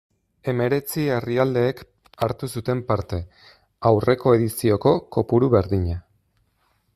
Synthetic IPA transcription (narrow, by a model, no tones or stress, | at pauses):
e̞me̞ɾe̞t͡sieriald̪e̞ːk | aɾt̪usut̪e̞mpaɾt̪e̞ | awre̞ko̞e̞ðisio̞ko̞ko̞puɾuβe̞ɾðiɲa